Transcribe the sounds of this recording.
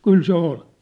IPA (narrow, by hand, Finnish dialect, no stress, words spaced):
kyl se ol